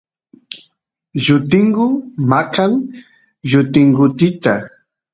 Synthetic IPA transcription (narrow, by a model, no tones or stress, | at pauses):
jʊt̪ɪŋɢʊmakaŋ | jʊt̪ɪŋɡʊt̪ɪt̪a